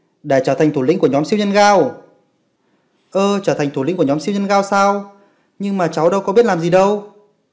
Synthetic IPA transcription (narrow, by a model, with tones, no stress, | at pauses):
ɗe˧˩t͡ɕəː˧˩a˨˩ŋ̟t̪ʰu˧˩lï˧˥ŋku˧˩əɲɔ˨˦msi˧wɲə˧nɣaː˧w | ʔəː˧t͡ɕəː˧˩t̪ʰa˨˩jŋt̪ʰu˧˩ḭ˨˥ŋ̟ku˧˩əɲɔ˨˦msi˧wɲə˧nɣaː˧wsaː˧w | ɲɨ˧ŋmaː˨˩t͡ɕa˨˦wɗə˧wkɔ˨˦ɓi˦˥ət̚laː˨˩mzi˨˩ɗə˧w